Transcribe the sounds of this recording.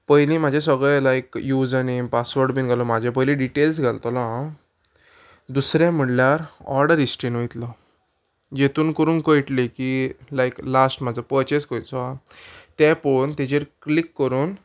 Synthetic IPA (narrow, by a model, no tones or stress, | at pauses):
pəɦjlĩm̤ad͡ʑʱesəɡɭɛlajkjud͡zənimpasʋəɾɖbiːnɡʱalɔmad͡ʑʱapəjlĩɖiʈels̬ɡʱalt̪ɔlã | d̪usɾjãm̤əʈljaɾɔ̰ɾɽəɾisʈɾinʋojt̪lɔ | d͡ʑet̪uːnkəɾuːnkəjʈlekiːlajklasʈm̤ad͡zəpəɾt͡ɕeskəjt͡sɔa | t̪ɛ̃pəɳt̪ɛd͡ʑeɾklikːəɾuːn